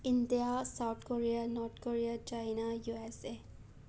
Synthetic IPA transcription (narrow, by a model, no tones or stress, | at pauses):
ind̪ijasawt̪ʰkoɹianɔɾtkoɹiat͡ʃajnajuɛse